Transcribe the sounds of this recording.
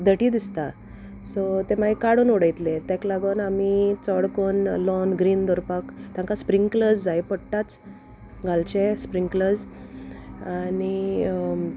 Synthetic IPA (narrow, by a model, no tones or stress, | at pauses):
d̪ʱəʈiːd̪ist̪a | sɔt̪emaɦikaɽuːnuɽəjt̪let̪jɛ̃klaɡənamit͡sɔɽkonlɔnɡɾiːnd̪ɔɾpakt̪jãŋkaspɾiŋkləd͡zajpəɽʈat͡s | ɡalt͡ɕespɾiŋkləd͡z | ani